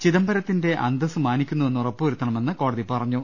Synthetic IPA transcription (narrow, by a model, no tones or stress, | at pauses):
t͡ɕiðɐmbɐɾɐt̪ːinde̞ʔɐ̰nd̪ɐsɨmaːnikʲːunːuʋe̞nːurɐpːɨuɾut̪ːɐɳɐme̞nːɨko̞ːɽɐðipɐrɐɲːu